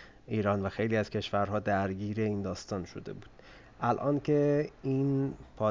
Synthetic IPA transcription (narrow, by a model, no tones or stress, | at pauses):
ʔiːɾɒːnvæxe̞jliːæz̥cʰe̞ʃvæɾɦɒːd̪æɾɟiːɾe̞iːnd̪ɒːst̪ɒːnʃo̞d̪e̞̰buːd̪̥̚ | ʔælʔɒːncʰe̞inpʰɒː